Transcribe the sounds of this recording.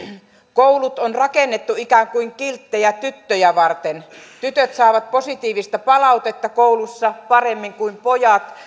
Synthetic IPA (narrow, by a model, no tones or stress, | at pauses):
koulut̪onrɑkenːet̪ːuikæːŋkuiŋkilt̪ːejæt̪yt̪ːøjæʋɑrt̪ent̪yt̪øt̪sɑˑːʋɑt̪̚posit̪iːʋist̪ɑpɑlɑut̪et̪ːɑkoulusːɑpɑremːiŋkuimpojɑt̪